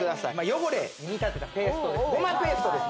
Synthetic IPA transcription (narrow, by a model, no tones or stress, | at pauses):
kɯd̪asaimajo̞ɡoɾeɲiit̪at̪ːe̞t̪akeːst̪o̞d̪esɡomakɯeːsɨ̥t̪o̞d̪e̞sɨ